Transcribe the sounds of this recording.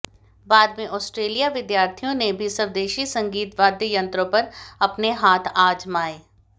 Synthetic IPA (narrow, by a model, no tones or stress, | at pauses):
baːd̪mẽʔɔːsʈɾeːlijaʋɪd̪jaːɾt̪ʰijõnebʱisəɾd̪eːʃisɐ̃ŋɡiːt̪ʋaːd̪jəjə̃nt̪ɾõpɐɾɐpneɦaːt̪ʰaːd͡ʒmaːeː